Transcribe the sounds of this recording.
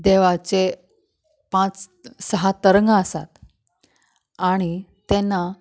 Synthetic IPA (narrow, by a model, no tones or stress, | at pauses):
d̪eʋat͡se | pãt͡ssəɦat̪əɾəŋɡəəsat̪ | aɽ̃it̪enːa